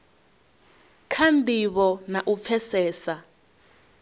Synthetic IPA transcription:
kʰandiβɔnaʔup̪fʰɛsɛːsa

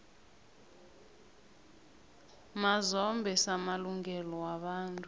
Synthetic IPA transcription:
mazɔmbʱɛsamaluŋɡɛlɔwaɓaːntʼu

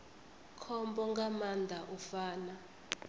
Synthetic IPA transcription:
kʰɔmbɔŋɡamand̪ʱaʔufaːna

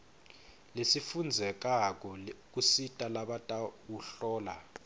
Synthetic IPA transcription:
lesifund͡zʱɛk̬ʼak̬ʼɔk̬ʼusitʼalaɓatʼawuɬɔːla

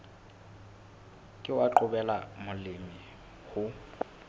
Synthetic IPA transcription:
kʼɪwaǃʊbɛlamʊlɪmɪ | hʊ

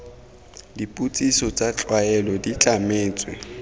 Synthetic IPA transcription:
dipʼut͡sʼisɔt͡sʼat͡ɬʼwaɛlɔdit͡ɬʼameːt͡sʼwɛ

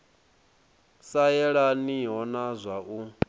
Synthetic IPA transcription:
sajɛɺaniɦɔnazʷaʔu

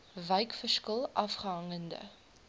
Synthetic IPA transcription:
vɛjkfərskəlˠʔɐfχəɦɐŋəndə̰

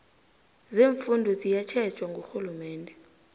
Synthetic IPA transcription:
zeːɱfundʱɔzijat͡ʃʰɛt͡ʃʼwaŋɡʱoxulumɛːndʱɛ

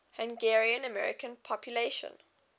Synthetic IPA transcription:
hãŋɡɛɹiə̃nəmɛɹɪ̰kə̃npʰɔpʰjuleʃə̰̃n

